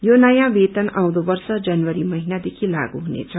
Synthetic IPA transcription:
jonʌjãbet̪ʌnʔaw̃d̪obʌrsʌd͡zʌnwʌɾimʌɦinad̪ekʰila̰ɡuɦunḛt͡sʰʌ

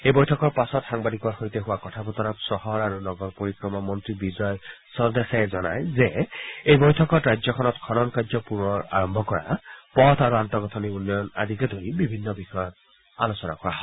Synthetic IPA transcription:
ejbɔjtʰɔkɔɹpasɔtxaŋbadikɔɹxojteɦʊwakɔtʰapɔt̪ɔnapsɔɦɔɹaɹunɔɡɔɹpoɹikɹɔmɔmɔntɹibizɔjsɔdexɛzɔna̰jzeejbɔjtʰɔkɔtɹajzɔkʰɔnɔtkʰɔnɔnkad͡ʒzɔpuɹnɔɹa̰ɹɔmbʱɔkɔɹa̰pɔtʰaɹuantɔɡɔtʰɔniunːɔjɔna̰dʱikɛdʱoɹibibʱinːɔbixɔjɔt̚ | a̰losɔna̰kɔwaɦɔ

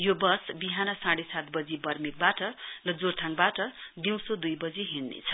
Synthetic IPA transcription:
jobʌsbiɦanʌsãɽesat̪̚bʌd͡zibʌrmik̚baʈʌrʌd͡zort̪ʰãŋkbaʈʌd̪iw̃sod̪ujbʌd͡ziɦinːḛt͡sʰʌ̥

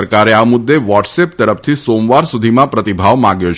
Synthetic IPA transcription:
əɾkaɾeamʊd̪ːeʋɔʈsep̚t̪əɾəfʰt̪ʰisomʋaɾsud̪ʱimãpɾət̪ibʱaʋmãɡjot͡ʃʰ

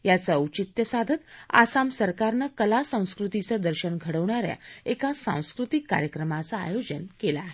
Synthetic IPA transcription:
jat͡səut͡ɕit̪jəsad̪ʱət̪a̰samsəɾkaɾnəkəlasə̃w̃skɾut̪it͡səd̪əɾɕəɳɡʱəɽəʋɳaɾja̰ekasã̰w̃skɾut̪ikːa̰ɾjəkɾəmat͡saa̰jod͡ʑənkelaɦe

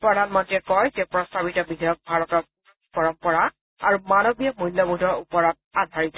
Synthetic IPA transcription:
pɹɔdanmadiɛkɔjzɛpɹɔstabitɔbidʱɔjɔk̚bʱaɹɔtɔt | pɔɹɔmpɔɹa | aɹumanɔbijɔmulːɔbudʱɔɹupɔɹɔt̚adʱaɹizɛ

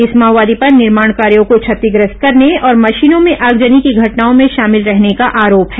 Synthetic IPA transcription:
ɪsmaːʋaːd̪ipɐɾnɪɾmaːɳ̃kaːɾijõkot͡ʃʰɐt̪ːɪɡɾɪst̪̚kɐɾneɔːɾmɐʃiːnõmẽʔɐɡd͡ʒənikiɡʱɐʈnaːõmẽʃaːmɪlɾɛɦnekaʔaːɾoːpɦɛː

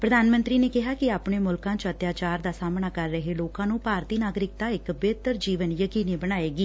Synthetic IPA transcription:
pɾəd̪aːnmə̃nt̪ɾiːneːkɪɦaːkɪaːpɳeːmʊlkãːt͡ʃət̪jaːt͡ʃaːɾd̪aːsaːmɳaːkəɾːəɦeːloːkãːnũːpaːɾt̪iːnaːɡɾɪk̚t̪aːɪkbeːt̪əɾd͡ʒiːʋənjəkiːniːbəñaːeːɡiː

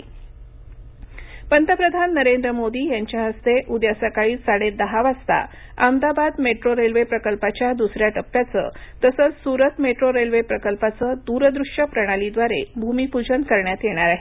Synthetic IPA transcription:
pənt̪əpɾəd̪ʱanːəɾend̪ɾəmod̪iːjaɲt͡ɕjaɦəst̪eʔud̪jasakaɭiːsaɽed̪əɦaʋast̪a̰ | amd̪abad̪meʈɾoɾelʋepɾəkəlpat͡ɕjad̪usɾjaʈəpːjat͡sə̰ːt̪əsəːt͡ssuɾət̪meʈɾoɾelʋepɾəkəlpat͡səːd̪uɾəd̪ɾuʂjəpɾəɽ̃alid̪ʋaɾḛbʱumipud͡ʑənkəɾɳjat̪jeɽ̃aɾaɦe

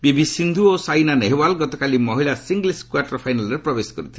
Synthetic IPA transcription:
bibisind̪ʱuosajnaneɦewalɡɔt̪ɔkalimɔɦilasiŋɡliskwaʈɔɾɔpʰajnalɔɾepɾɔbesɔ̥kɔɾit̪ʰil

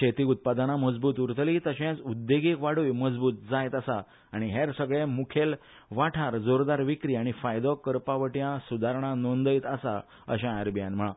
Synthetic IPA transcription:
et̪iːut̪̚pad̪anaməd͡zbuːt̪uɾt̪liːt̪əɕẽt͡sud̪ːeɡikʋaɽuːjməd͡zbuːt̪̚d͡zajt̪asaː | ɽ̃iɦeɾsəɡɭemukʰel | ʋaʈʰaɾd͡zoɾd̪aɾʋikɾiːaɽ̃ifajd̪ɔkəɾpaʋəʈjãsud̪ʱaɾɳ̃ãnond̪əjit̪asa̰ | ə̰ɕãaɾbijãnm̤əɭã

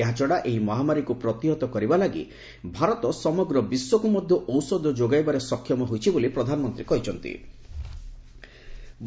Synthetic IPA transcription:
eɦat͡ʃɔɽaʔeɦimɔɦamaɾikupɾɔt̪iɦɔt̪ɔkɔɾibalaɡḭ | bʱaɾɔt̪ɔsɔmɔɡɾɔbiswɔkumɔd̪ʱjɔʔɔwsɔd̪ʱɔd͡ʒoɡajbaɾesɔkʰːjɔmɔɦojt͡ʃʰibolipɾɔd̪ʱanɔmɔnt̪ɾikɔɦit͡ʃʰɔnt̪ḭ | b

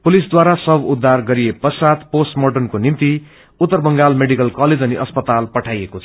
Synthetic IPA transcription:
pulisd̪waɾasʌbud̪ʱːarɡʌɾijepʌsad̪posʈmoʈʌnkonimt̪i | ut̪ːʌrbʌŋɡalmeɽikʌlkaled͡zʌniʔʌspʌt̪alpʌʈʰajekot͡sʰʌ

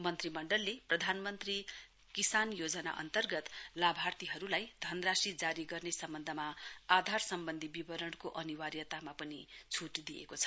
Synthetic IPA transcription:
mʌnt̪rimʌɳɖʌlːeprʌd̪ʱanmʌnt̪ri | kisanjod͡zʌna̰ʔʌ̰nt̪ʌrɡʌt̪labʱart̪iɦʌɾulajd̪ʱʌnrasid͡zaɾiɡʌrnesʌmbʌnd̪ʱʌmaad̪ʱarsʌmbʌnd̪ʱibibʌɾʌɳkoʔʌniwaɾjʌt̪amapʌnit͡sʰuʈd̪iḛkot͡sʰʌ̥

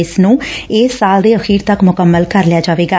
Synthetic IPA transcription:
ɪsnũːɪːsːaːld̪eːəxʰiːɾt̪əkmʊkəmːəlkəɾlɪjaːd͡ʒaːʋeːɡaː

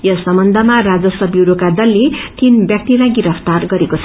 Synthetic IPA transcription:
jʌsʌmʌnd̪ʱʌmarad͡zʌsʌbjiɾukad̪ʌlːet̪inbjak̚t̪iɾaɡiɾʌpʰt̪arɡʌɾekot͡sʰʌ

